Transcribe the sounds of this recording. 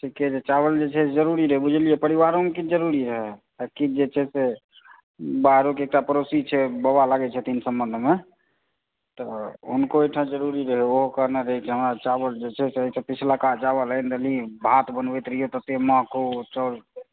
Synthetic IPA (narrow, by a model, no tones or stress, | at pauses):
ʈʰiked͡ʒet͡ʃaβəld͡ʒet͡ʃʰɛed͡ʒəɾuɾiɾəɦɛbud͡ʒʱlijɛpəɾiβaɾonkid͡ʒəɾuɾiɾəɦɛ | əkid͡ʒet͡ʃʰɛse | baɦɾokeːk̚ʈapəɾosit͡ʃʰɛbəbalaɡɛt͡ʃʰɛt̪insəmbənd̪ʱme | t̪ɔɦunkoejʈʰãd͡ʒəɾuɾiɾəɦɛoɦokəɾneɾəɦɛkiɦəmɾat͡ʃabəld͡ʒet͡ʃʰɛseəisə̃pit͡ʃʰlakat͡ʃaβələjnd̪əlibʱat̪bənbɛjt̪ɾəjot̪ət̪eməɦkot͡ʃəl